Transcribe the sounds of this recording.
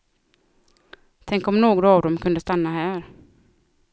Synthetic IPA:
t̪ʰɛŋkɔmnoːɡɾavd̪ɔmkʰɵnd̪əst̪anːaɦæːɾ

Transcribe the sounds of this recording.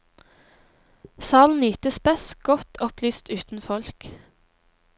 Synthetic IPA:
sɑːln̩yːt̪əspɛsɡ̥ɔt̪ʰɔplyːst̪ʉːt̪n̩fɔlk

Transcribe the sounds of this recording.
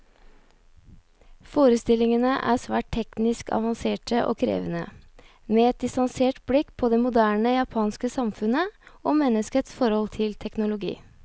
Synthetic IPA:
foːɾəst̪ɪlːɪŋənəʔæ̰ːɾsʋæːʈ̚t̪ʰɛknɪskʰɑ̰ʋɑnseːʈəʔɔ̰ːkʰɾḛːʋənə̰ | meːɛt̪̚d̪ɪst̪ɑnseːʈblɪkːpʰɔd̪ɛmʊd̪æːɳəjɑpʰɑːnskəsɑmfʉnəɔːmɛnːəskət̪sfɔɾhɔlt̪ʰɪlt̪ʰɛknʊlʊɡḭː

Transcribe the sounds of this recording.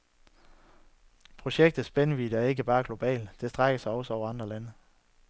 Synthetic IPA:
pʰʁo̝ɕeɡ̥̚d̥ð̩ˠsb̥enəʋid̥əæɐe̝ɡ̥əb̥ɑ̈ːɡ̥lo̝b̥ɛ̰ːl̥d̥e̝sd̥ʁaɡ̥ɐsɑ̈ɪɒ̽səɒʊɐɑ̈nd̥ʁɐlænə

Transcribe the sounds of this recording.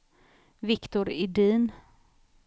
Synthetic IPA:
vɪkt̪ʊɾɪd̪iːn

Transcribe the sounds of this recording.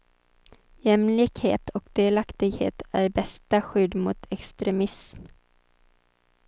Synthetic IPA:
jɛmlɪkhḛːt̪ʰɔkd̪eːlakt̪ɪɡhḛːt̪æːɾbɛst̪aɧʏd̪mʊːt̪ʰɛkst̪ɾɛmɪsm

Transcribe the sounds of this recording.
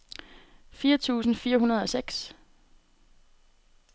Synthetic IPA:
fiːɐt͡sʰṵːsn̩fiːɐɦunɐð̞ˠɒ̽seɡ̥s

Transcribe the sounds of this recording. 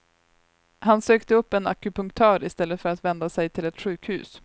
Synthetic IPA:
hansøːkt̪əɵpːɛnakɵpɵŋkt̪ʰœːɾɪst̪ɛlːət̪fœɾat̪vɛnd̪asɛjt̪ʰɪlɛt̪ɧʉ̟ːkhʉ̟̰ːs

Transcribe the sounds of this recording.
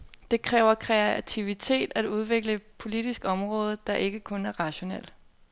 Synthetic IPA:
d̥e̝kʰʁɛːʊɐkʰʁɛæt͡sʰiʋit͡sʰe̝̰ːd̥æd̥uð̞ˠʋe̝ɡ̥ləpʰo̝lid̥isɡ̥ɒ̽mʁɔ̽ːð̞ˠd̥ɑ̈ʔe̝ɡ̥əkʰɔ̽næɐʁɑ̈ɕo̝nel̰

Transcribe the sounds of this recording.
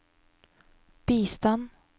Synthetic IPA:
b̥iːst̪an

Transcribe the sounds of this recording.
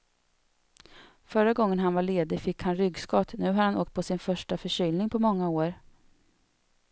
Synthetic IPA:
fœɾaɡɔŋːənɦanvaɭeːd̪ɪfɪkːhanɾʏɡskɔt̪nʉ̟ːɦaɾhano̰ːk̚t̪̚pʰɔsɪnfœʂʈafœʂʏːlnɪŋpʰɔmɔŋːaoːɾ

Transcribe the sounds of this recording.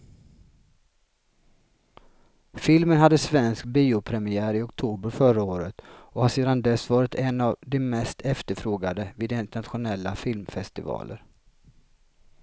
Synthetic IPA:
fɪlmənɦad̪ːəsvɛnsk̚biːʊpʰɾɛmɪæːɾɪɔkt̪ʰuːbəɾfœɾaoːɾət̪ɔhaseːd̪and̪ɛsvɑːɾɪt̪ʰɛnːavd̪ɛmɛst̪ʰɛft̪əɾfɾoːɡad̪əvɪːd̪ɪnt̪əɳat̪ɧʊnɛlːa̰fɪlmfɛst̪ɪvɑ̰ːlʔə̰ɾ

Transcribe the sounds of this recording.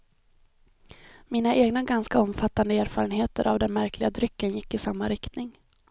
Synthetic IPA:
miːnaʔeːɡnaɡanskaɔmːfat̪ːand̪əeːɾfɑːɾənɦeːt̪əɾʔa̰vd̪ɛnmæɾkʰlɪɡad̪ɾʏkːənjɪkːɪsamːaɾɪkt̪nɪŋ

